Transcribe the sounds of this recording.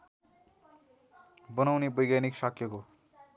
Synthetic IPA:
bʌnawnebʌjɡaniksʌkʰjʌko

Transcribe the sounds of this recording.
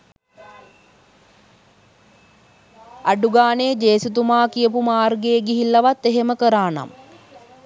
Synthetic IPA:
aɖuɡaːned͡ʒeːsut̪umaːkijəpumaːrɡeːɡiɦilːɐʋat̪ːeɦeməkəɾaːna̰m

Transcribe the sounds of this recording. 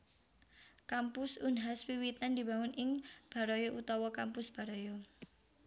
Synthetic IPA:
kampʊsunɦaswiwit̪and̪i̤baŋʊnɪŋb̥a̤ɾojoʔut̪ɔwɔkampʊsb̥a̤ɾojo

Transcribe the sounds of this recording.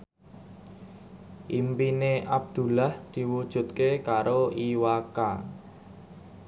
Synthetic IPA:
ʔimpineʔab̚d̪̥ṳlahd̪̥i̤wud̥ʒ̥ṳt̪̚kekaɾʔoiwaka

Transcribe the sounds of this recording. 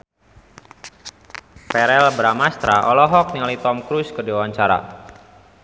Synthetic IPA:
pɛɾɛlbɾamast̪ɾaʔɔlɔɦɔk̚niŋalit̪ɔmkɾuskərdiwawaɲt͡ʃaɾa̰

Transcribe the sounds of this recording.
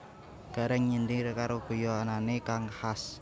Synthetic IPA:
ɡ̥a̤ɾɛŋɲindirkaɾoɡ̥ojoananekaŋhas

